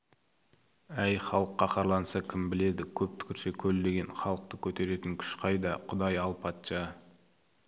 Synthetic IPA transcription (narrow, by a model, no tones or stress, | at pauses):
æjχɑlˠəqːɑqʰɑɾlˠɑnsɑkʲʰɪmbɪle̞d̪ɪkʲʰɵp̚t̪ʰʏ̥kʲʰɪɾse̞kʲʰɵld̪e̞ɡʲe̞nχɑlˠəq̚t̪əkʲʰɵt̪e̞ɾe̞t̪ɪŋkʲʰʏ̥ʃqʰɑjd̪ɑqʰʊd̪ɑjɑlˠpʰɑt̪ʃɑ